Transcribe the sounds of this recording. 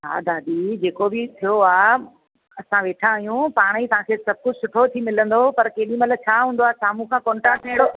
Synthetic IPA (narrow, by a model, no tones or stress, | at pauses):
ɦa̰ːd̪aːd̪id͡ʑeːkobɪt̪ʰijoaː | ɐsãʋeːʈʰãːjũpaːɽ̃it̪ɐʋ̤ãkʰeːsɐb̚kʊd͡ʑsʊʈʰot̪ʰimɪlə̃nd̪opɐɾkeːɗĩmɐt̪ləb̚t͡ɕʰaːɦũːnd̪oaːɦsaːmũkʰãːkɔ̃ːɳʈɾaːkːʰẽɪ̃ɽo